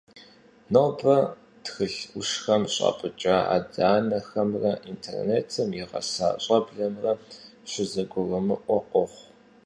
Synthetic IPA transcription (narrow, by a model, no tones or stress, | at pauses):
nɐwbɐ | txɨɬʷʊʂxɐmɕʷʼa̰ːpʼɨt͡ʃʼaa̰ːdaːnɐxɐmrɐʔintʰḛrneːtʰɐmjɛʁɐ̰sa̰ːɕʼɐbɮɐmrɐɕʷɪzɐɡʷʊrɐmɨʔʷɔqʷʼɔχʷ